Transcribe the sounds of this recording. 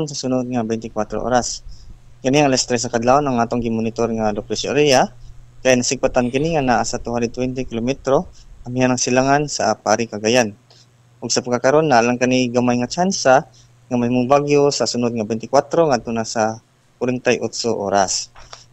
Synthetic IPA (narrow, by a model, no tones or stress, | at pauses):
nsasʊnʊd̪̚ŋabɛjnt̪ɪkwat̪ɾo̰ʔo̰ɾaskaniaŋalɛst̪ɾɛs̬akad̪laonaŋat̪oŋɡɪmʊnɪt̪oɾŋalopɾɪsɾijakajnasɪɡ̚pat̪ankɪnɪŋanaʔasat̪ʊhandɛd̪̚t̪wɛnt̪ɪkɪlomɛt̪ɾoamijanaŋsɪlaŋansa̰paɾɪkaɡajan | ʔʊɡsapaɡkːakaɾonːaʔalaŋkaniɡamajŋat͡ʃansa | ŋamahimʊŋbaɡjosasʊnʊd̪̚ŋabejnt̪ɪkwat̪ɾoŋad̪̚t̪ːonasa | kʊɾɪnt̪ajʔʊt̪soʔo̰ɾas